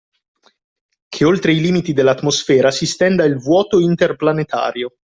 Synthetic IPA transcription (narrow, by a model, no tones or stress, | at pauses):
kʰeolt̪ɾeiliːmit̪id̪elːat̪ːmosfɛːɾasist̪ɛnd̪ailvwɔːt̪oint̪erplanet̪a̰ːɾjo